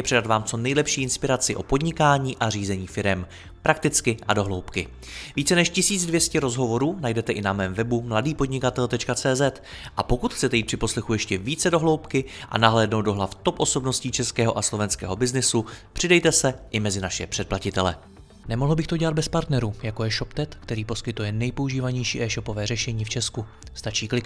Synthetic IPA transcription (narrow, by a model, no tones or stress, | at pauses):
jɛpr̝ɛdat̪vaːmt͡so̞nɛjlɛpʃiːɪnspɪɾat͡sɪʔo̞po̞dɲɪkaːɲiːʔariːzɛɲiːfɪɾɛm | pɾʔak̚t̪ɪt͡skɪʔado̞ɦlo̞wpkɪ | viːt͡sɛnɛʃcɪsiːd͡zdvjɛscɛɾo̞zɦo̞vo̞ɾuːnajdɛt̪ɛʔɪnamɛːmvɛbumladiːpo̞dɲɪkat̪ɛlt̪ɛt͡ʃkat͡sɛːzɛt̪ | ʔapo̞kut̪xt͡sɛt̪ɛjit̪pr̥ɪpo̞slɛxujɛʃcɛviːt͡sɛdo̞ɦlo̞wpkɪʔa̰naɦlɛːdno̞wt̪̚do̞ɦlaft̪o̞pʔo̞so̞bno̞sciːt͡ʃɛskɛːɦo̞ʔaslo̞vɛnskɛ̰ːɦo̞bɪznɪsupr̥ɪdɛjt̪ɛsɛʔɪmɛzɪnaʃɛ̰pr̥ɛt̪placɪt̪ɛlɛ̰ | nɛmo̞ɦl̩bɪxt̪oɟɛlad̪bɛspaɾt̪nɛɾuːjakojɛʃo̞pt̪ɛt̪kt̪ɛɾiːpo̞skɪt̪ujɛnɛjpo̞uʒiːvaɲɛjʃiːʔɛːʃo̞po̞vɛːrɛʃɛɲiːft͡ʃɛsku | st̪at͡ʃiːklɪk